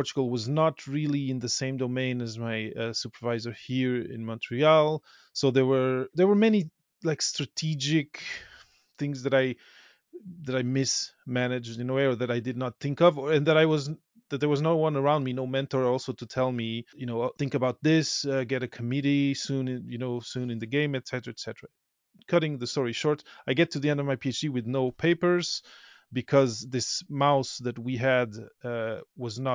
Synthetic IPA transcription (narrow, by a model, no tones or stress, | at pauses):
pʰɔɹt͡ʃəɡl̩ˠwʌznət̚ʰɹɪlˠiɨ̃nðɨsẽɪ̃mdoʊmẽɪ̃nɨzmaɪʌsupə˞vaɪzə˞hiɹɪ̰̃nmɑ̃ntʰɹialˠ | soʊðə˞wə˞ðə˞wə˞mɛni | laɪkstɹ̥ɨtʰid͡ʒɪk | θɪ̃ŋzðɨɾaɪ | ðɨɾaɪmɪsmænɨd͡ʒdjɨnoʊwɛɹə˞ðɨɾaɪdɨdⁿnət̪̚θɪ̃ŋkʌvɨ̃nðɨɾaɪwʌz | ðɨt̪̚ðə˞wʌznoʊwʌ̃nə˞ãʊ̃ndminoʊmɛ̃ntə˞ɔlˠsoʊɾɨtʰɛlˠmijɨnoʊθɪ̃ŋkɨbaʊt̪̚ðɪsʌɡɛɾɨkʰəmɪɾisũnjɨnoʊsũnɨ̃nðɨɡẽɪ̃mɨtsɛɾə˞ɨɨtsɛɾə˞ə | kʰʌɾɪ̃ŋðɨstɔɹiʃɔɹtaɪɡɛtʰɨðiɛ̃ndʌvmaɪpʰiet͡ʃd̥iwɨðnoʊpʰeɪpə˞z̥ | bɨkʰʌzðɪsmaʊsðɨt̚wiɨdʌwʌznət̚